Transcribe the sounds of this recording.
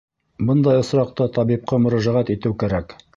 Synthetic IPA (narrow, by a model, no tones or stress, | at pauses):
bɤnd̪ɑjɤ̆sɾɑqt̪ɤt̪ɑβip̚qɑmɵ̆ɾæʒæʁæt̪it̪ɘwkæɾæk